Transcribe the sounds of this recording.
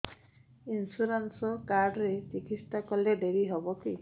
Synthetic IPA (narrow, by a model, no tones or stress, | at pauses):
insuɾɔnsɔkaɾɖɾet͡ʃikit̪sʈakɔled̪eɾiɦɔbɔki